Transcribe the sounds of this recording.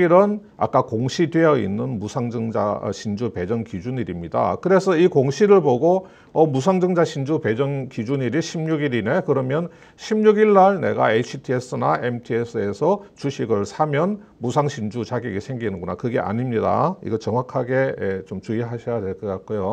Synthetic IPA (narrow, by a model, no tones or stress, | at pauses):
iɾɯn | a̰k͈akoŋɕʰidwe̞jʌḭnːɯnmusʰaŋd͡ʑɯŋd͡ʑa̰ɕʰind͡ʑupe̞d͡ʑʌŋkid͡ʑuɲiɾimɲida̰kɯɾe̞sʰʌikoŋɕʰiɾɯɭpoɡo | ʌmusʰaŋd͡ʑɯŋd͡ʑaɕʰind͡ʑupe̞d͡ʑʌŋkid͡ʑuɲiɾiɕʰimɲuɡiɾine̞kɯɾʌmjʌn | ɕʰimɲuɡiɭːaɭne̞̰ɡa̰eit͡ɕʰitʰies͈ɯnaʔemtʰies͈ɯe̞sʰʌt͡ɕuɕʰiɡɯɭsʰamjʌn | musʰaŋɕʰind͡ʑut͡ɕaɡiɡesʰeŋɡinɯnɡona̰kɯɡe̞ʔa̰ɲimɲida̰ḭɡʌt͡ɕʌŋwakʰaɡe̞ːt͡ɕomt͡ɕuiɦaɕʰʌjadwe̞ɭk͈ʌk͈at̚k͈ojo